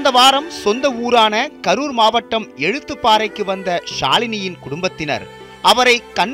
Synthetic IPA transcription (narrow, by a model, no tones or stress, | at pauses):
nd̪ɐʋaːɾɐmsɔnd̪ɐuːɾaːnɐkɐɾuːɾmaːʋɐʈːɐmɛɻɯt̪ːɯpːaːɾɐɪkːɯʋɐnd̪ɐʂa̰ːlɪnɪjɪnkʊɽʊmbɐt̪ːɪnɐ̰ɾ | ʔɐʋɐɾɐɪkːɐnː